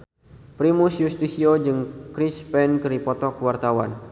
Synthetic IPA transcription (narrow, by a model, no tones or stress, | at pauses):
pɾimusjust̪isiod͡ʒɨŋkɾispɛnkɨɾipɔt̪ɔkəwart̪awan